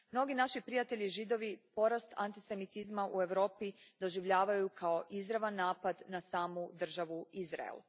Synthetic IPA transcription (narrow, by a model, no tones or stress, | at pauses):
mno̞ɡinaʃipɾijat̪e̞ʎiʒid̪o̞ʋipo̞ɾast̪a̰nt̪ise̞mit̪izmaʔue̞ʋɾo̞ːpid̪o̞ʒiʋʎaːʋajukʰao̞ʔizɾaʋanːaːpad̪nasaːmud̪r̩ʒaʋuizɾa̰ḛl